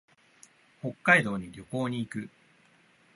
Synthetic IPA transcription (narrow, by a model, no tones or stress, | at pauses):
ho̞kːaid̪o̞ːɲ̟iɾʲjo̞ko̞ːɲ̟iːkɯ̟